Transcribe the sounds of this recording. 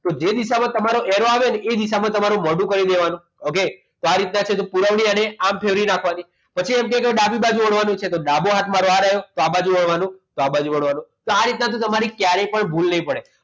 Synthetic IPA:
t̪od͡ʒed̪iʃamãt̪əmaɾoʔɛɾoaʋened̪iʃ̬amãt̪əmaɾũmɔɖũkəɾid̪eʋanũ | oke | t̪oaɾit̪nat͡ʃʰet̪opuɾəʋɳiəneampʰeʋɾinakʰʋani | pət͡ʃʰiɛmk̬ɛ̃keɗabibad͡ʒũʋəɽʋanũt͡ʃʰet̪oɗaboɦat̪ʰmaɾoaɾajot̪oabad͡ʒũʋəɽʋanũt̪oabad͡ʒuʋəɽʋanũt̪oaɾit̪̚nat̪ʰõt̪əmaɾikjaɾepəɳbʱulnəɦĩpəɽe

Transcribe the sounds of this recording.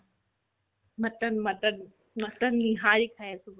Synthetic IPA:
mɐʈənmɐʈən | mɐʈənlĩːɦaːɾikʰaesʊb

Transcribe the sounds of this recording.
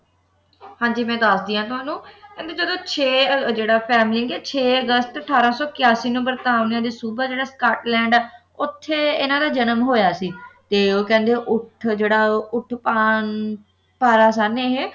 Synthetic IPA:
hãːɲd͡ʒiːmɛ̃ːd̪aːsd̪iːãːt̪ʊãːnũːkɛ̃ːnd̪eːd͡ʒəd̪õːt͡ʃʰeːd͡ʒeːɽaːpʰɛːmliŋɡɛːt͡ʃʰeːəɡəst̪əʈʰaːɾãːsɔːkɪjaːsiːnũːbəɾt̪aːʋnãːd̪eːsuːbaːd͡ʒeːɽaːskaːʈlɛ̃ːɳɖɛː | ʊt̪ʰːeːɪnãːd̪aːd͡ʒənəmɦoːjaːsiːt̪eːoːkɛ̃ːnd̪eːʔʊʈʰd͡ʒeːɽaːʊʈʰːpaːn | paːɾaːsaːneːɦeː

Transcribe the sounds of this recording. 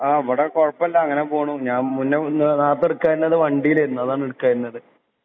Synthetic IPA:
aːeʋɐɽekoɻɐpːɐɐlːɐɐŋːɐnepoːɳuɲaːnmunːenaːt̪ːeɽukːaːiɾunːɐðɨʋɐɳɖijileɾunːuɐðaːɳeɽukːaːjɾunːɐðɨ

